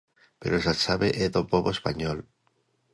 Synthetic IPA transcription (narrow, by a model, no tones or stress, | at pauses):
peɾosat͡ʃaβeʔeðopoβoespaɲol